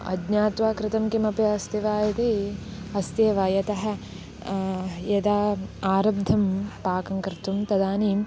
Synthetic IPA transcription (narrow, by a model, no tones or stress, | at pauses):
ɐ̰dɲaːt̪ʋaːkɾɪt̪ɐmkimɐpjɐɐst̪iʋaːjɐt̪i | ɐst̪eːʋɐjɐt̪ɐɦɐ̆ | jɐd̪aːaːɾɐb̚d̪ʱɐmpaːkɐŋkɾɪt̪umt̪ɐd̪aːniːm